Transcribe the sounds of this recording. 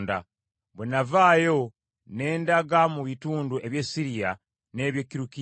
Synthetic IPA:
nda | βwenavaːjo̞ | ne̞ːndaɡamuβituːnduʔe̞βjesiɾija | ne̞ːβjekːiɾuki

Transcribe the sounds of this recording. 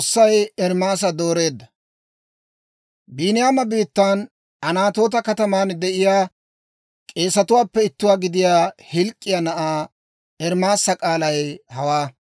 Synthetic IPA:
ʊsːɐjɛɾmaːs̬ɐd̪oːɾe̞ːd̪ːɐ | biːnɪjaːmɐbiːt̪ːan | ɐnaːt̪o̞ːt̪ɐkɐt̪ɐmaːnd̪ɛʔɪjaː | kʼe̞ːsɐt̪ʊwaːpːɛɪt̪ːʊwaːɡɪd̪ɪjaːhɪlkʼːɪjaːnɐʔaː | ɛɾmaːsːɐkʼaːlɐjhɐwaː

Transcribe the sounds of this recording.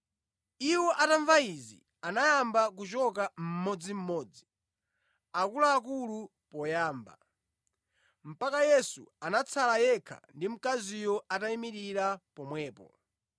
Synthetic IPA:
iwɔʔataɱvaizḭ | anajambak̬ut͡ʃɔkam̩mɔd͡zim̩mɔːd͡zi | akulaːk̬ulu | pɔjaːmba̰ | m̩pakajɛsṵanat͡sʰalajɛkʰa̰ndim̩kazijɔataimiɾiɾapɔmwɛːpɔ̰

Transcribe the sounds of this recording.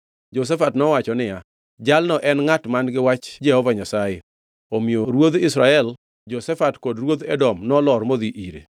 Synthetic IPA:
d͡ʒos̬ɛfatnɔwat͡ʃɔnɪja | d͡ʒalnɔʔɛnŋatmanɡɪwat͡ʃd͡ʒɛhɔvaɲasajɛ | omioɾwod̪ɪsɾaɛl | d͡ʒosɛfatkodɾwod̪ɛdɔmnɔlɔɾmod̪iʔiɾḛ

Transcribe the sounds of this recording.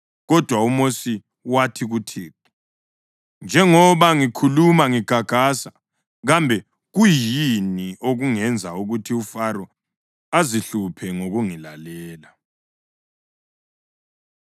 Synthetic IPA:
ɣɔd̥ʱwaumosi | watʰiɣutʰiːki | nd͡ʒʱɛŋɔβaŋikʰulumaŋiɡ̥ʱaɡ̥ʱasa | ɣambʱɛ | ɣujiniʔoɣuŋɛnd͡zʱauɣutʰiufaɾɔ | aziɬupʰɛŋoɣuŋilalɛːla

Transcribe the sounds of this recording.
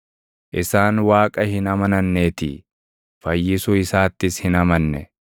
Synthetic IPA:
ʔɪsaːnwaːkʼɐhɪnɐmɐnɐnːeːt̪ɪ̰ | fɐjːɪsʊɪsaːt̪ːɪshɪnɐmɐnːɛ̰

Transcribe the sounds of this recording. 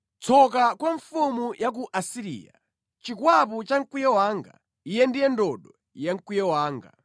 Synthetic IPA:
t͡sʰɔk̬akwaɱfumujʔak̬uʔasiɾḭːa̰ | t͡ʃikwaput͡ʃaŋ̩kwijɛwaːŋɡa̰ | ijɛndijɛndɔɗɔ | jaŋ̩kwijɛwaːŋɡa̰

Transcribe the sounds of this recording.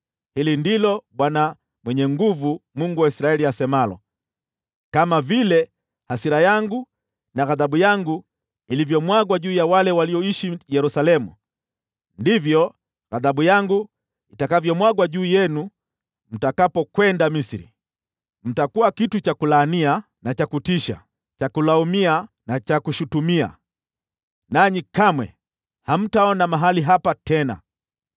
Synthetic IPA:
hilindilɔɓwana | mwɛɲɛŋɡuvumuŋɡuwaisɾaɛliasɛmalɔ̰ | kamavilɛ | hasiɾajaŋɡu | naɣaðaɓujaŋɡu | ilivjɔmwaɡwaʄuːjawalɛwaliɔiʃijɛɾusalɛmṵ | ndivjɔ | ɣaðaɓujaŋɡu | itakavjɔmwaɡwaʄuːjɛnu | m̩takapɔkwɛndamisiɾḭ | m̩takuakitut͡ʃakulaːnia | nat͡ʃakutiʃa̰ | t͡ʃakulaumia | nat͡ʃakuʃutumia̰ | naɲikamwɛ̰ | ham̩taɔnamaɦaliɦapatɛna̰

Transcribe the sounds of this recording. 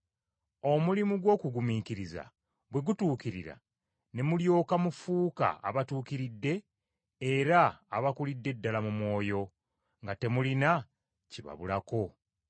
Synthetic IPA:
o̞mulimuɡwo̞ːkuɡumiːkiɾiza̰ | βwe̞ɡutuːkiɾiɾa̰ | ne̞muljo̞ːkamufuːka̰a̰βatuːkiɾidːe̞ː | ɾa̰ːβakulidːe̞dːalamumwo̞ːjo̞ | ŋɡate̞mulina | ciβa̰βulako̞

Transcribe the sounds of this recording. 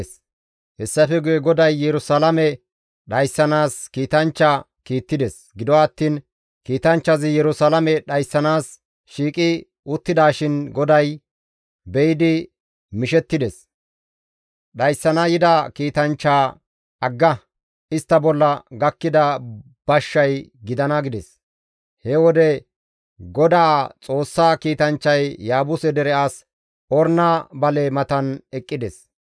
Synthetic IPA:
s | hɛsːɐfɛɡʊjɛɡɔd̪ɐjːɛɾʊsalɐmɛ | ɗɐjsːɐnaːskiːt̪ɐnt͡ʃːa | kiːt̪ːɪd̪ɛs | ɡɪd̪ɔwaːt̪ːiːn | kiːt̪ɐnt͡ʃːɐzɪjɛɾʊsalɐmɛɗɐjsːɐnaːs | ʃiːkʼɪ | ʊt̪ːɪd̪aːʃɪnɡɔd̪ɐj | bɛjɪd̪ɪ | mɪʃɛt̪ːɪd̪ɛs | ɗɐjsːɐnɐjɪd̪ɐkiːt̪ɐnt͡ʃːaː | ɐɡːɐ | ɪst̪ːɐbɔlːɐɡɐkːɪd̪ɐ | b̥ɐʃːɐjɡɪd̪ɐnɐɡɪd̪ɛs | hɛwɔd̪ɛ | ɡɔd̪aːt͡sʼo̞ːsːaːkiːt̪ɐnt͡ʃːɐjːaːbʊsɛd̪ɛɾɛʔaːs | ɔɾnaːbɐlɛmɐt̪ɐnɛkʼːɪd̪ɛs

